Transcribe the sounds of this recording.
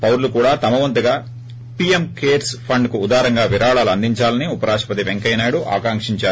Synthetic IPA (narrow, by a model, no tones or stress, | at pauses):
pɐwɾlukuːɽaːt̪ɐmɐʋɐnt̪uɡaː | piemkeːɾspʰɐɳɖkuːd̪aːɾɐŋɡaːʋiɾaːɭaːluɐnd̪iɲt͡ʃaːlɐniupɐɾaːʂɐ̥pɐt̪iʋeŋkɐjnaːjɽuʔa̰ːkaːŋkʂiɲt͡ʃaːɾ